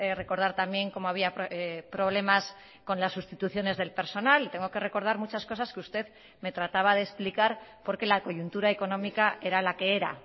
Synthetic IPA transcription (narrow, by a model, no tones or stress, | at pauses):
ere̞ko̞ɾðaɾt̪ambje̞ŋko̞mo̞aβiapepɾo̞β̞le̞mas | ko̞nlasːust̪it̪uθjo̞ne̞zðe̞lpe̞ɾso̞nalit̪e̞ŋɡo̞ke̞re̞ko̞ɾð̞aɾmut͡ʃasko̞saskeust̪e̞ð | me̞t̪ɾat̪aβað̞e̞ːsplikaɾpo̞ɾke̞lako̞ʝunt̪uɾaeko̞nõ̞mikaʔe̞ɾalake̞eɾa̰